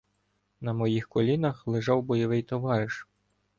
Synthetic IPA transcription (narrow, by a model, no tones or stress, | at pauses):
nɐmɔjixkɔlʲinɐxlˠɪʒɑwbɔjɔʋɪjt̪ɔʋɑɾɪʃ